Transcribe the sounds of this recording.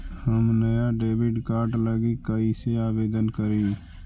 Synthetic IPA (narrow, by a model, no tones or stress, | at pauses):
həmnəjaɖeːbɪɖkaːɾɖləɡikəiseaːʋeːd̪ənkəɾiː